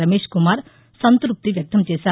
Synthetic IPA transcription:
ɐmeːʂkumaːɾ | sɐnt̪ɾup̚t̪iʋjɐk̚t̪ʰɐmt͡ʃeːsaː

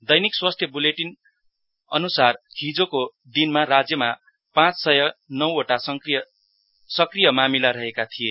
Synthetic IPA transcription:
d̪ʌjnikswast̪ʰjʌbuleʈin | ʌ̰nusarkʰid͡zoko | d̪inmarad͡zjʌma | pãt͡ssʌjʌnʌwoʈasʌ | sʌkrijʌmamilaɾʌɦekat̪ʰije

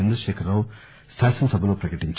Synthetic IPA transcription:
end̪ɾɐʃeːkʰɐɾːaw | saːsɐnɐsɐbʱɐnupɾɐkɐʈiɲt͡ʃ

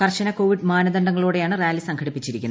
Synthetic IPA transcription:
kɐrɕɐnɐko̞ːʋiɖmaːnɐðɐɳɖɐŋːɐɭuːɽe̞jaːɳɨrjaːlisɐŋkʰɐɽipːit͡ɕːiɾikʲːunː

